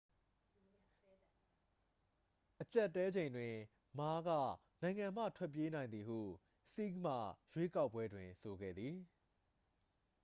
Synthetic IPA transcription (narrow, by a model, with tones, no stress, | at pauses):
ʔət͡ɕa˦˨ʔtːɛ˦d͡ʑẽ˨ɪ̃ndwɪ̃˨ | ma˦ɡä̰˦˨ | nã˨ɪ̃ŋã˨m̥ä̰˦˨tʰwɛ˦˨p̬ːje˦nã˨ɪ̃nd̪ði˨hṵ˦˨ | si˦km̥a̰˦˨jwe˦ka˦ʊpːwɛ˦dwɪ̰̃˨so˨ɡɛ̰˦˨d̪ði˨